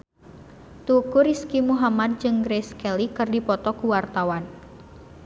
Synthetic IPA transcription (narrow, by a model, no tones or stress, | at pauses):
t̪ukuɾiskimuɦamad̪̚d͡ʒɨŋɡɾeskɛlikɨrdipɔt̪ɔkuwart̪awan